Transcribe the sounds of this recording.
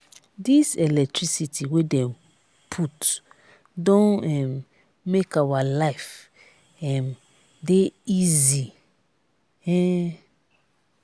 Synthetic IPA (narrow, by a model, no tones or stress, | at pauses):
disɛlɛk̚tʰɹisitiwedɛ̃m | pʰut | dõnɛmː | ekawalaɪf | ɛm | deizi | ɛ